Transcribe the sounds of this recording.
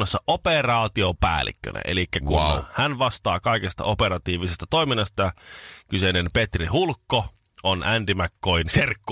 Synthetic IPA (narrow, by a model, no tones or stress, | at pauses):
osːɑʔoperɑːt̪iopæ̰ːlːḭkːø̰næ̰elikːækunhænʋɑst̪ɑːkɑˑikest̪ɑ̰opeɾɑt̪iːʋisest̪ɑt̪oˑiminːɑst̪ɑjɑkysenenpet̪rihulkːo | ʔonʔænt̪imækːoiinserkːu